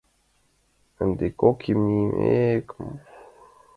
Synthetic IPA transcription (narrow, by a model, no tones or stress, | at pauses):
ənd̪ekokʰimnimḛkm